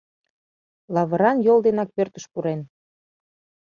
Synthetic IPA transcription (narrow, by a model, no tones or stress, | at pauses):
lɑβə̆ɾɑnjolˠd̪enɑk̚pørt̪ə̥ʃpuɾen